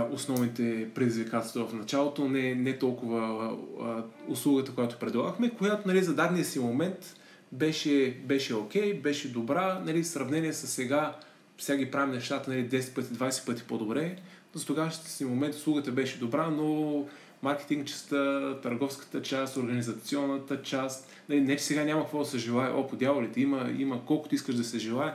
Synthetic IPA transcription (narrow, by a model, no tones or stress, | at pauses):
osnɔvnit̪ɛpɾɛd̪izvikat̪ɛst̪vəvɐfnɐt͡ʃalˠot̪onɛnɛt̪ɔlˠkʊvə | ʊslˠuɡət̪əkojat̪o̥pɾɛd̪lˠaɡəxmɛkojat̪onɐlizɐd̪ad̪nijəsimomɛnt̪ | bɛʃɛbɛʃɛokʲɛjbɛʃɛd̪obɾanɐlisɾɐvnɛniɛsɐsːɛɡa | fsʲaɡipɾavimnɛʃt̪at̪ənɐlid̪ɛsɛ̥t̪̚pɤt̪ʲid̪vajsɛ̥pɤt̪i̥pod̪obɾɛ | zɐt̪oɡaʃt̪əsimomɛnt̪ʊslˠuɡət̪əbɛʃɛd̪obɾano | maɾkɛ̥t̪iŋɡt͡ʃɛ̥st̪ət̪ɐɾɡɔfskə̥t̪ət͡ʃast̪oɾɡɐnizɐt̪siɔnːət̪ət͡ʃast̪ | nɐlinɛt͡ʃɛ̥sɛɡanʲamɐkvɔd̪ɐsəʒɛlˠaɛʔopod̪ʲjavolit̪ɛiməḭməkɔlˠkʊt̪ʊiskəʃʒd̪ɐsɛʒɛlˠaɛ